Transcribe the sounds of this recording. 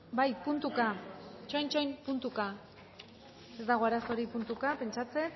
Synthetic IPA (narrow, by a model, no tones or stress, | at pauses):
bajpunt̪ukat͡ʃojnt͡ʃojmpunt̪uka | e̞zd̪aɣ̞o̞aɾaso̞ɾipunt̪ukape̞nt͡ʃat͡se̞k